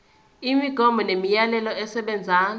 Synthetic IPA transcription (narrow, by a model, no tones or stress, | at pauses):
imiɡ̥ʱɔmʱɔnemijalɛlɔɛsɛɓɛnd͡zʱaːn